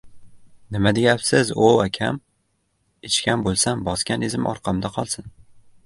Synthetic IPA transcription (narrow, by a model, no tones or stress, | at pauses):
nɪmad̪ejapsɪzoakʲʰam | ɪt͡ʃkʲʰanbolˠsambɒskʲanezɪmʔɒ̰ɾqʰɑmd̪aqʰɒlˠsɪn